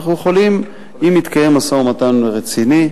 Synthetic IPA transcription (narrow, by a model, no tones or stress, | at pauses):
χujeχolim | imit̪kaje̞masomat̪anʁet͡sini